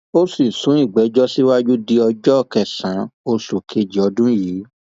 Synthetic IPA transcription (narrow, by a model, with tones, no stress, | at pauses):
o˦si˦˨sũ˨˦i˦˨ɡ͡bɛ˨˦d͡ʒɔ˦si˦wa˦d͡ʒu˦di˧ɔ˧d͡ʒɔ˦˨kɛ˨sã˨˦o˧su˨kʰe˧d͡ʒi˨˦ɔ˧dũ˦jiː˨˦